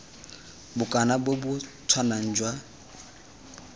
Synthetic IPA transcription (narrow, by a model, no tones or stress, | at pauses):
bʊkʼanabwobʊtʰwanan̩d͡ʒwa